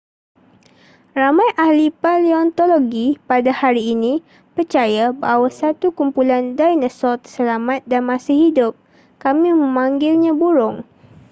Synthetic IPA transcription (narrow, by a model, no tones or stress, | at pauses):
ramãjʔahlipaliɔnt̪oloɡipadahaɾiːnĩ | pərt͡ʃajabawasat̪ukumpulandajnəsɔlt̪əsəlamat̪̚danmãsahidʊp̚ | kamĩmə̃mãŋɡɪlɲãbuɾʊŋ